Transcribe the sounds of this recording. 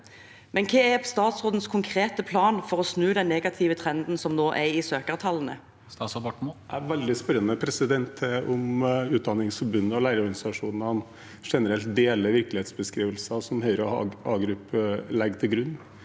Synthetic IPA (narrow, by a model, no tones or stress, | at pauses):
mʔɛnkʰeːæst̪ɑːt̪sʁoːd̪ən̩skʰʊŋkʰʁeːt̪əpʰlɑːnfɔʁɔsnʉːd̪ɛnːeːɡɑt̪ʰɪːʋət̪ʰʁɛnd̪n̩sɔmnoːʔæɪsøːkəʁt̪ʰɑlːn̩ə̰ | t̪ɑsɔbɑʈmæʋɛld̪ɪspɛɾənəpʰɾɛsɪd̪ɛnt̪ʰʔʊmʉːt̪̚d̪ɑnɪŋsfɔɾbʉnːəɔlæɪɾəɔɾɡɑnɪsɑʂuːnnhɑn | ʂɛnəɾɛlt̪̚d̪eːləɾʋɪɾklɪheːt̪sbəskɾiːʋəlsɑsɔmhœʏɾəɑɑːɡɾʉpːəlɛɡt̪ʰɪlɡɾʉnː